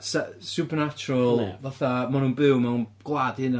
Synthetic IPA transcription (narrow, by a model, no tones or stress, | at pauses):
sasupərnat͡ʃʊɾəlˠvaθamanũːnbɨwmanunɡ̥lˠadɨnə